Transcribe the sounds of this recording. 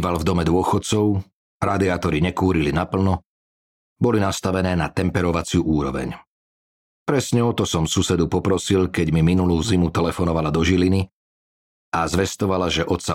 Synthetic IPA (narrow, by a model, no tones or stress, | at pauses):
ʋalvd̪ɔmɛd̪ʊɔxɔt̪t͡sɔʊ | ɾad̪iaːt̪ɔɾiɲɛkuːɾilinapl̩nɔ | bɔlinast̪aʋɛnɛːnat̪ɛmpɛɾɔʋat͡sɪuʔuːɾɔʋɛ̰ɲ | pɾɛsɲɛɔt̪ɔsɔmsusɛd̪upɔpɾɔsilkɛɟmiminuluːzimut̪ɛlɛfɔnɔʋalad̪ɔʒilini | azʋɛst̪ɔʋalaʒɛʔɔt̪sa